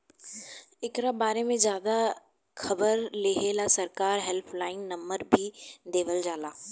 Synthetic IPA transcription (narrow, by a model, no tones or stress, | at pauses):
ɪkɾabaːɾemẽzjaːd̪a | xɐbəɾleːɦeːlasɐɾkaːɾɦɛlpʰlaːɪnnɐ̃mbəɾbʱid̪eːʋəld͡ʒaːlaː